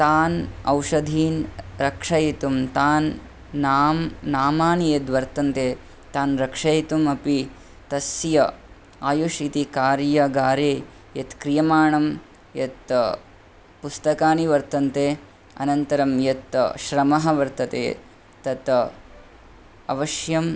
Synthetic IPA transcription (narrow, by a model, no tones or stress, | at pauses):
t̪aːnɐwʂɐd̪ʱiːnɾɐkʂɐjit̪umt̪aːnː | aːmnaːmaːnijet̪ʋɐɾt̪ɐnt̪eː | t̪aːnɾɐkʂɐjt̪umɐpi | t̪ɐsjɐ | aːjuʃit̪ikaːɾjɐɡaːɾeː | jɐt̪kɾijɐmaːɳɐm | jɐt̪ | pust̪ɐkaːniʋɐɾt̪ɐnt̪eː | ɐ̰nɐnt̪ɐɾɐmjɐt̪ʃɾɐmɐɦɐ̆ʋɐɾt̪ɐt̪ḛː | t̪ɐt̪ | ɐʋɐʃjɐm